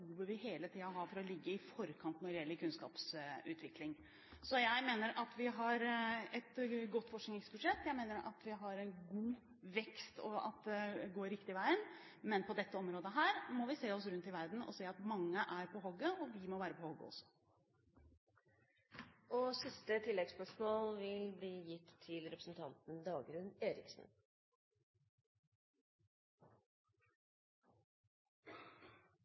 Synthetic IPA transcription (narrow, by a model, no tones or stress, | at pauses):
uːʋəʋɪheːlət̪ʰiːɑɦɑːɾfɔɾɔlɪɡːəɪfɔɾkʰɑnt̪nɔɾɪjɛlːəɾkʉnskɑ̰ːpsʉ̰ːt̪ʰʋɪklɪŋ | sɔjæɪmeːnəɾʔɑt̪ʰʋɪɦɑɾɛt̪ɡɔt̪ːfɔʂknɪŋɛsbʉd̪ʂɛt̪ːjæɪmeːnəɾɑ̰t̪ʋɪɦɑɾɛnɡuː | ʋɛkst̪ɔɑ̰t̪̚d̪ɛɡoːɾɪkt̪ɪʋæɪən | mɛnpʰɔd̪ɛt̪ːəɔmɾoːd̪əɦæːɾmɔʋɪseːɔsɾʉnt̪ɪʋæɾd̪n̩ɔ̰seːɑt̪mɑŋːəʔæɾpʰɔɦɔɡːəɔʋɪmɔʋæːɾəpʰɔhɔɡːə̰ɔ̰sːɔ̥ | ɔsɪst̪ət̪ʰɪlːɛɡspœʂmɔːlʋɪlbliːjɪt̪ʰːɪlɾɛpɾəsn̩t̪ʰɑnt̪n̩d̪ɑːɡɾʉneːɾɪksn̩